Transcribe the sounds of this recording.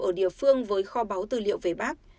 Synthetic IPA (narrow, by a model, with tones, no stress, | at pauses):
ʔəː˧˩ɗḭ˧˨əfɨ˧əŋvəː˨˦jxɔ˧ɓaː˨˦wt̪ɨ̰˧˨lḭ˧˨əwve˧˩ɓaː˦˥k̚